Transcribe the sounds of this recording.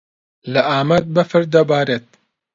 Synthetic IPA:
lɐʔaːmɐt̪̚bɐfɨɾd̪ɐbaːɾeːt̪̚

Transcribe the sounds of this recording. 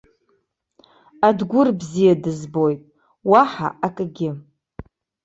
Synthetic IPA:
adɡʷʊrbzijadɨzbo̞jtʼ | waħa̰ʔakʼɡʲɪ

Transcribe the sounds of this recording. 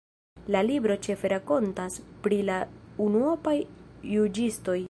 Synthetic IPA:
lalibɾo̞t͡ʃe̞fe̞ɾako̞ntaspɾilaunuopajːud͡ʒisto̞j

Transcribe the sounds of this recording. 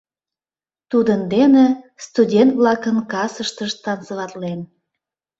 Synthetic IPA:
t̪ud̪ənd̪enest̪udʲent̪βlɑkənkɑsəʃt̪əʃt̪ɑnsəβɑt̪len

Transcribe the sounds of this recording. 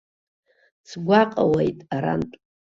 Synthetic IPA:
t͡sʰɡʷaqʼawejtʼaɾa̰ntʼ

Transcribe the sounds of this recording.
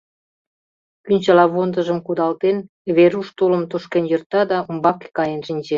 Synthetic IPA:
kynʲt͡ɕɑlɑβond̪ə̆ʒə̆mkud̪ɑlt̪en | βeɾuʃt̪oləmt̪oʃkenjɤ̆rt̪ɑd̪ɑumbɑke̥kɑjenʃinʲt͡ɕe

